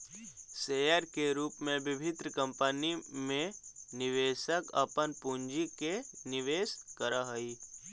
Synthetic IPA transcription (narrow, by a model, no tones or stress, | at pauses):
seːjəɾkeɾuːpmẽbɪbʱɪt̪ɾəkə̃mpənimẽnɪʋeːʃəkɐ̰pənpuɲd͡ʒikenɪʋeːskəɾaɦəi